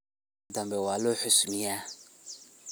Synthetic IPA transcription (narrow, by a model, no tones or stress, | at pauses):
dambewaloħʊsumija